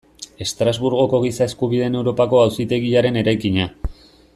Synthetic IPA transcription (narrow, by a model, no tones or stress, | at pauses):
e̞st̪ɾazβuɾɣo̞ko̞ɣisae̞skuβ̞ið̞e̞newɾo̞pako̞awsit̪e̞ɣiaɾe̞ne̞ɾajkiɲa